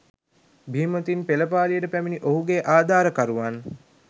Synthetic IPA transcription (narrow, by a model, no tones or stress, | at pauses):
bʱiːmət̪inpeləpaːlijəʈəpæminiʔoɦuɡeːʔaːd̪ʱaːɾəkaɾuʋan